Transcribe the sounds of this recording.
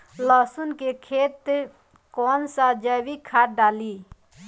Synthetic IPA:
ləsunkekʰet̪ | kɔnsad͡ʒəwikʰaʈ̚ɖaːli

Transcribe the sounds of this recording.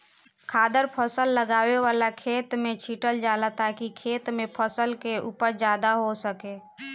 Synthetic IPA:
kʰaːd̪əɾpʰəsəlːəɡaːweʋaːlakʰeːt̪mẽt͡ʃʰiːʈəld͡ʒaːlat̪akikʰeːt̪mẽpʰəsəlkeʔṵːpəɾd͡ʒjaːd̪aɦosəkeː

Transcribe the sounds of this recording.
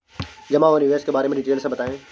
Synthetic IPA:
d͡ʑɐmãʊniʋeːskebaːɾemẽɗiʈeːjəlsãbɐt̪aːẽː

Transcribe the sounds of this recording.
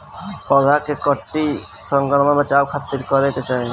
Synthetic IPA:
pɔd̪ʱakekɔʈːi | sɔŋɡɔɽɔnɔmet͡ʃabkʰat̪ːiɾkɔɾek̪et͡ʃae

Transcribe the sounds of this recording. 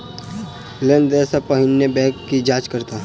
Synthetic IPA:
lẽnd̪ɛːsapəɦɪnjəbɛ̃ːkːid͡ʒaːt͡ʃkəɾt̪a

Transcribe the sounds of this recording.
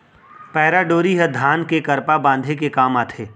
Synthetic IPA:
pɛːɾaɖoːɾiɦɐd̪ʱaːnkekɐɾpabãːnd̪ʱekekaːmaːt̪ʰeː

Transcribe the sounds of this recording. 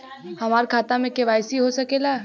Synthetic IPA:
hɐmaːɾkʰaːt̪amẽkeʋaːjsiɦosɐkela

